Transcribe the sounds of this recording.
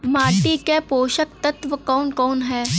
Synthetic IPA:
maːʈikepoːʃəkt̪ɐt̪ʋəkɔːnkɔːnɦɛː

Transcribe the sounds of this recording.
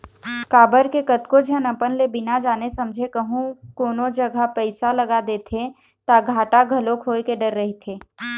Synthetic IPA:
kaːbəɾkekət̪kod͡ʒʱənəpənlebɪnad͡ʒaːnesɐ̃md͡ʒʱekəɦũkoːnod͡ʒɐɡʱapɛɪsaləɡad̪eːt̪ʰe | t̪aɡʱaːʈaɡʱɐlokʰɦoːekeɖəɾːɐɦet̪ʰeː

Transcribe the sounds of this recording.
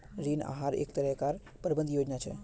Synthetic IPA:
ɾina̰ɦaɾḛkt̪əɾəkaɾ | pəɾbənd̪jod͡ʒnat͡ʃʰḛ

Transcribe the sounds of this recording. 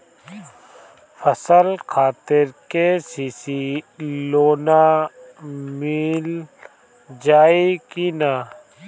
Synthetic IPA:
fɐsəlxʰaːt̪ɪɾkesiːsiloːna | mil | d͡ʒaːikina

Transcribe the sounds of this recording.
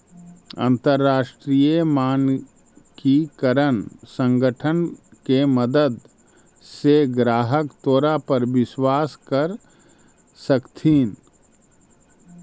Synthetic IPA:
ə̰̃nt̪əɾːaːʃʈɾiːjemaːn | kikəɾənsə̃ŋɡəʈʰənkeməd̪əd̪ | seɡɾaːɦəkt̪oːɾapɐɾʋɪswaːskɐɾ | səkt̪ʰiːn

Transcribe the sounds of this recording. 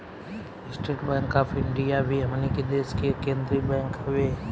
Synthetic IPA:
ɪsʈɾeːʈbɛ̃ːŋkaːpʰɪ̃ɳɖijabʱiɦɐmniked̪eːskekẽːnd̪ɾibɛ̃ːŋkɦʊʋeː

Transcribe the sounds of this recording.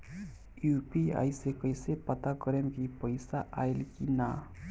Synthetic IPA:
jupia̰jsekəjsepət̪akəɾemkipəɪsaʔaelkina

